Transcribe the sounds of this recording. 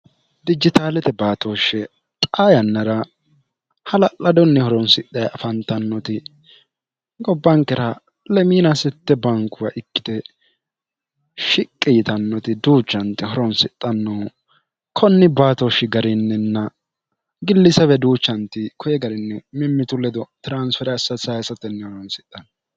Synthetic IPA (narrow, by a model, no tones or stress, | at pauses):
d̪ɪd͡ʒɪt̪aːlɛt̪ɛbaːt̪oːʃːɛ | t̪ʼaːjɐnːɐɾɐ | hɐlɐlɐd̪ɔnːɛhɔɾɔnsɪt̪ʼːɐjɐɐfɐnt̪ɐnːɔt̪ɪ | ɡɔbːɐŋkːɛɾɐ | lɛmiːnɐsɪt̪ːɛbɐŋkʊwɐʔɪkːɪ̥d̪ɛ | ʃɪkʼːiːt̪ɐnːɔt̪ɪd̪uːt͡ʃːɐnt̪ɪhɔɾɔnsɪt̪ʼːɐnːɔw | kʰɔnːɪbaːt̪ɔʃɪɡɐɾɪnːɛnːɐ | ɡɪlːɪsɛbɛd̪uːt͡ʃːɐnt̪ɪkɔjɛɡɐɾɪnːɛmɪmːɪt̪ʊlɛd̪ɔt̪ɪɾansfɛɾɛɐsɐsajsɐt̪ːɛnːɛhɔɾɔnsɪt̪ʼːɐnː